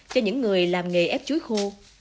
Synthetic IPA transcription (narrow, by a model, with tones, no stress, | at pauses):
t͡ɕɔ˧ɲɨ̰˧˥ŋːɨ˨˩əjlaː˨˩mŋe˨˩ʔɛ˦˥p̚t͡ɕu˨˦jxu˧